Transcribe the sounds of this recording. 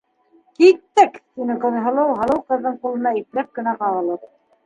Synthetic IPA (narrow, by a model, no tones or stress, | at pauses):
kit̪ːækt̪inɘqɤ̆ðɦɤ̆lˠɤwɦɤ̆lˠɤwqɤ̆ðːɤɴqulˠɤ̆nɑip̪læp̚kɘ̆næqɑʁɤ̆lˠɤɾ